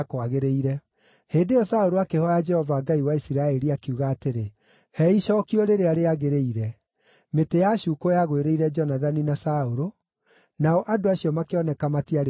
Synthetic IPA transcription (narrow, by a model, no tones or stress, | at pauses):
kwaɣeɾeiɾɛ | heːndejɔsaoɾoakehɔjad͡ʒɛhɔvaːɡaiwaisiɾaɛɾiakiuɣaːteɾe | hɛiʃɔːkiɔɾeɾeaɾeaɣeɾeiɾɛ | metejaɕuːkojaɣweɾeiɾɛd͡ʒɔnaðaninasaoɾo | naɔʔadoaɕiɔmakeɔnɛkamatiaɾ